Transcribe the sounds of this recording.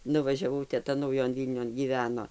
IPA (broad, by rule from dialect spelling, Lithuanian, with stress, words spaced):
nʊʋɐʒʲɛˈʋɐʊ tʲɛˈtɐ nɐʊˈjoːn ˈʋʲiːlʲnʲoːn ɡʲiːˈʋʲæːnoː